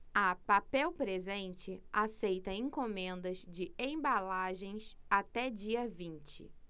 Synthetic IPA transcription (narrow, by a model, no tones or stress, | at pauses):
ɐpapɛwpɾezẽnt͡ʃɪasejt̪ɐẽŋkomẽnd̪ɐzd͡ʒɪẽj̃balaʒẽj̃sat̪ɛd͡ʒiɐvĩnt͡ʃɪ̰